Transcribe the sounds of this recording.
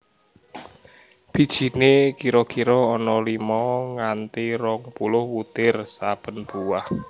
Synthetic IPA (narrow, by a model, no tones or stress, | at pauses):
b̥i̤d̥ʒ̥i̤nekiɾɔkiɾɔːnɔlimɔŋant̪iɾɔŋpulʊhwut̪ɪrsab̥ə̤nb̥uwah